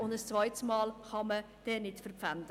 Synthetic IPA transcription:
ʊndəst͡svaɪtsmɑːlχɑmə | d̥ɛːnɪtfərpfandə

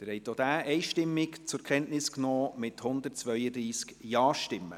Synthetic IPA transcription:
təɾhɛɪt̪od̥̪æːʔɛɪʃtɪmːɪkt͡sʊɾkʰɛntnɪsknɔːmɪthʊnd̪ət̚t͡sʋœʏədɾiːskjɑːʃtɪmːə̰

